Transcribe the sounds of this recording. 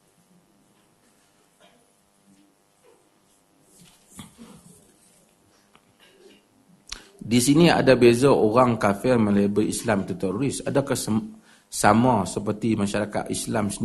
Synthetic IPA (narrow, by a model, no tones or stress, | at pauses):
disinia̰dabezaoɣaŋkafɪrmə̃lebiislamt̪ut̪ɛɾuɾisa̰daka | samasəpərt̪imaʃaɾaka̰t̪islamsən